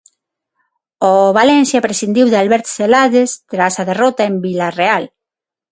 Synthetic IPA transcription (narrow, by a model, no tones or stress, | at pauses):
oβalɛnθjapɾesind̪iwðalβɛɾt̪selaðest̪ɾasaðerɔt̪aembilareal